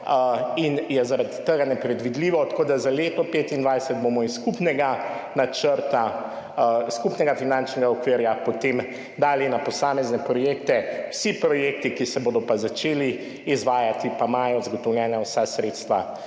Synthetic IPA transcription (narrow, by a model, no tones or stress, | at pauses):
injɛzaɾad̪t̪ːəɡanɛpɾɛd̪ʋid̪liːʋɔt̪ḁkoːd̪azaleːt̪ɔpeːt̪ind̪ʋajsɛt̪̚bomɔiskupnɛɡanat͡ʃəɾt̪a | skupnɛɡafinãnt͡ʃnɛɡaɔkʋiːɾjapot̪em | d̪aːlinapɔsaːmɛznɛpɾɔjeːkt̪ɛwsipɾɔjeːk̚t̪ikisɛboːd̪ɔpazat͡ʃeːliː | zʋaːjat̪ipamaːjɔzaɡɔt̪ɔwljɛːnawsasɾet̪st̪ʋa̰